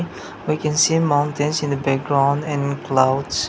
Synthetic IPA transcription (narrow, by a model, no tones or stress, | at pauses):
wikɛ̃nsimãʊ̃ntɨ̃nsɪ̃nðəbæk̚ɡɹãʊ̃ndɛ̃nkʰlaʊds